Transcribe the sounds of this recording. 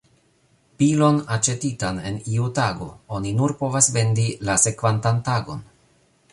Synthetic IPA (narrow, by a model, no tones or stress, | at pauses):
pilonat͡ʃe̞titane̞niutaɡo̞̰o̞ninuɾpo̞vasve̞ndilase̞kvantantaɡo̞̰n